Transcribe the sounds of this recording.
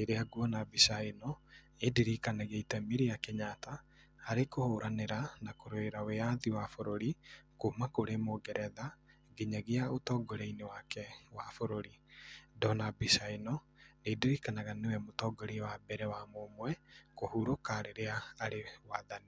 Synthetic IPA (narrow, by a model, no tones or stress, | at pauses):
eɾeaɡuɔnabisaenɔ | ediɾikanaɣeitɛmiɾiakeɲata | aɾekohoɾʔaneɾanakoɾoeɾawejaðiwafoɾoɾikomakoɾemoɡɛɾʔɛða | ɡeɲaɣeaotɔːɡoɾeinewakɛwafoɾoɾidɔnabisaenɔ | nediɾikanaɣanewɛmotɔɡɔɾewabɛɾɛwamomwɛkohuɾokaɾeɾeaːɾewaðani